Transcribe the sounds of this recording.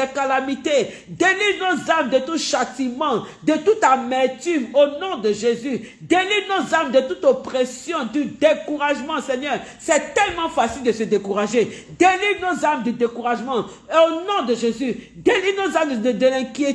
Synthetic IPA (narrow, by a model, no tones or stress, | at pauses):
ɛkalamit̪e | d̪elivnozamd̪ət̪uʃat̪imɑ̃d̪ət̪ut̪amɛʁt̪yvonɔ̃d̪əʒezy | d̪elivnozamd̪ət̪ut̪opʁesjɔ̃d̪yd̪ekuʁaʒmɑ̃sɛɲœʁsɛt̪ɛlmɑ̃fasild̪əsəd̪ekuʁaʒed̪elivnozaʁmd̪yd̪ekuʁaʒmɑ̃ | onɔ̃d̪əʒezyd̪elinozaməd̪əlɛ̃kje